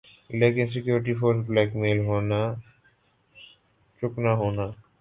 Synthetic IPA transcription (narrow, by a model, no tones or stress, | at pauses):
leːkɪns̬ɪkjuːɾɪʈ̬ipʰoːɾsblɛːkmeːlɦoːna | t͡ʃʊknaɦoːnaː